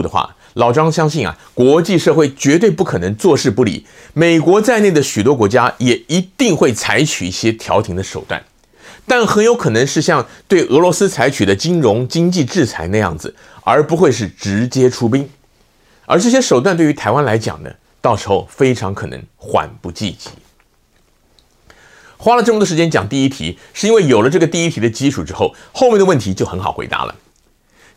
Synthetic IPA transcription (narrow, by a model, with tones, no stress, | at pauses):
ə˩xwa̰˥˩ | lɑ˨˩ʊʈ͡ʂɑ˥ŋɕjɑ˥ŋɕi˥˩nɐ̰˩kwɔ˧˥t͡ɕi˥˧ʂɤ˥˧xwe˥˩ɪt͡ɕɥɛ˧˥t̪̬we˥˧ɪpu˥˩kʰɤ˨˩nɤ˧˥ŋt͡swɔ˥˧ʂɻ̩˥˧pu˥˩lḭ˨˩ | me˨˩ɪkwɔ˧˥t͡sa˥˧ɪne˥˩ɪd̪ə˩ɕy˨˩t̪̬wɔ˥kwɔ˧˥t͡ɕja˥jɛ˨˩i˧˥t̪i˥˧ŋxwe˥˩ɪt͡sʰa˧˥ɪt͡ɕʰy˨˩ḭ˥˩ɕjɛ˥t̪ʰjɑ˧˥ʊt̪ʰi˧˥ŋd̪ə˧ʂo˨˩ʊt̪wa̰˥˩n | t̪a˥˩nxə˧˥njo˧˥ʊkʰɤ˨˩nɤ˧˥ŋʂɻ̩˥˧ɕjɑ˥˧ŋt̪we˥˩ɪʔɤ˧˥lwɔ˧˥sɹ̩˥t͡sʰa˧˥ɪt͡ɕʰy˨˩d̪ə˦t͡ɕi˥ŋɻʊ˧˥ŋt͡ɕi˥ŋt͡ɕi˥˧ʈ͡ʂɻ̩˥˩t͡sʰa˧˥ɪna˥˧jɑ̰˥˩ŋd͡zɹ̩˩ | ə̰˞˧˥pu˧˥xwe˥˧ɪʂ̬ɻ̩˥˩ʈ͡ʂɻ̩˧˥t͡ɕjɛ˥ʈ͡ʂʰu˥p̬i˥ŋ | ə̰˞˧˥ʈ͡ʂɤ˥˩ɕ̬jɛ˥ʂo˨˩ʊt̪wa˥˧nt̪we˥˩y˧˥t̪ʰa˧˥ɪwa˥nla˧˥ɪt͡ɕjɑ̰˨˩ŋd̪ə̰˦ | t̪ɑ˥˩ʊʂɻ̩˧˥xo˥˧˩ʊfe˥ɪʈ͡ʂʰɑ˧˥ŋkʰɤ˨˩nɤ̰˧˥ŋxwa̰˨˩npu˧t͡ɕi˥˩t͡ɕi̥̰˧˥˦ | xwa˥lə˨˧ʈ͡ʂɤ˥˩ə˧t̪wə˥˩ʂɻt͡ɕjɛ˥nt͡ɕjɑ̰˨˩ŋt̪i˥˩i˥t̪ʰḭ˧˥ | ʂɻ̩˥˩i˥nwe˥˩ɪjo˨˩lə˦ʈ͡ʂɤ˥˩ɡə˩t̪i˥˧i˥t̪ʰi˧˥d̪ə˧t͡ɕi˥ʈ͡ʂʰu˨˩ʈ͡ʂɻ̩˥xo˥˩ʊ | xo˥˧ʊmjɛ˥˩ndə˧wə˥˩nt̪ʰi˧˥t͡ɕjo˥˩xə˧˥nxɑ˨˩ʊxwḛ˧˥ɪt̪a̰˧˥lə̰˧